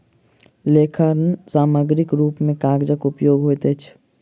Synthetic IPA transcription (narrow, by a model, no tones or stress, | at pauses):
lekʰəɾnsaːməɡɾikɾuːpmẽkaɡd͡ʒəkupjoːɡɦojt̪ət͡ʃʰ